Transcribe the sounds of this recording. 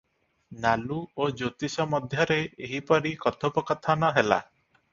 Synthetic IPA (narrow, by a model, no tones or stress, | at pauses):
naluod͡ʒot̪isɔmɔd̪ʱjɔɾeeɦipɔɾikɔt̪ʰopɔkɔt̪ʰanɔɦela̰